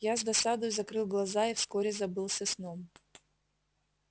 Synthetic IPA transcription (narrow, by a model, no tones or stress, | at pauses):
jazd̪ɐsad̪ojzɐkɾɨlˠɡlˠɐzaifskoɾʲɪzɐbɨlˠsʲɐsnom